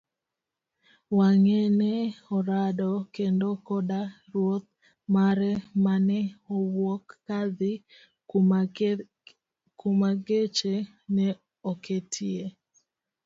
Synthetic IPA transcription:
waŋɛnɛɔɾadɔkendokɔdaɾwot̪̚ | maɾɛmanɛowokːad̪ɪ | kumaɡet͡ʃe | nɛ | oketʰie

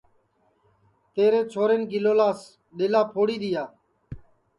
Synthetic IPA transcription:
t̪eːɾeːt͡ʃʰoːɾeːnɡɪloːlaːs | ɗeːlaːpʰoːɽiːɗ̪ɪjaː

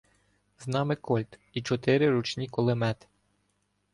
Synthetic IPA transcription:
znɑmɪkɔlʲt̪it͡ʃɔt̪ɪɾɪɾut͡ʃnʲikɔlˠemɛt̪ɪ̥

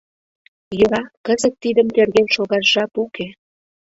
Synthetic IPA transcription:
jɤɾɑkəzək̚t̪id̪ə̆mt̪erɣenʃoɣɑʃʒɑpukʰe

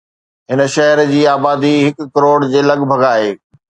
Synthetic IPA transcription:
ɦɪnə̆ʃɐɦəɾd͡ʑiːaːbaːd̪iɦɪkːɐɾoːɽd͡ʑeːlɐɠbʱɐɡaːɦeː

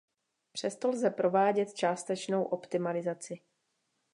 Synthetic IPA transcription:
pr̥ɛst̪o̞lzɛpɾo̞vaːɟɛt̪̚t͡ʃaːst̪ɛt͡ʃno̞wʔo̞pt̪ɪmalɪzat͡sɪ

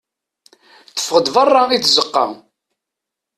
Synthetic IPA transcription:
θə̥fʁəd̪vərˤːɑit͡sːzəqːɑ̰

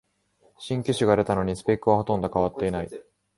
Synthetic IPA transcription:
ɕĩŋkʲɨɕiɡaɾe̞t̪ano̞ɲ̟isɨ̥pekːɯ̟βahot̪õ̞nd̪akaβat̪ːe̞inai

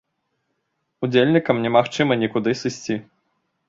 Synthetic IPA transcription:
ud͡zʲelʲnʲikɐmnʲɛmaxt͡ʂɨmɐnʲɛkud̪ɨsɨsʲt͡sʲi

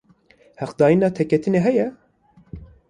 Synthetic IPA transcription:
hæqd̪ɑːjinɑːt̪ʰɛkɛt̪ʰɨneːɦɛjɛ

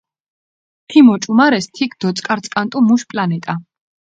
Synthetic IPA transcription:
t̪ʰimɔt͡ʃʼumaɾɛst̪ʰikʰd̪̥ɔt̪sʼkʼaɾt̪sʼkʼant̪ʼumuʃpʼlanɛt̪ʼa

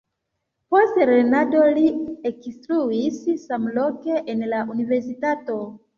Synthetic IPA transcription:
po̞stɾenado̞liekstɾuissːamlo̞ke̞ʔenlaʔunive̞ɾs̬itato

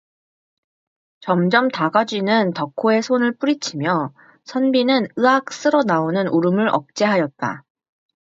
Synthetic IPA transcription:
t͡ɕʌmd͡ʑʌmtaɡad͡ʑinɯntʌkʰoe̞sʰonɯɭp͈uɾit͡ɕʰimjʌ | sʰʌnbinɯnɯak̚s͈ɯɾonaonɯnʔuɾɯmɯɾʔʌ̰k̚t͡ɕ͈e̞ɦajʌt̚t͈a̰

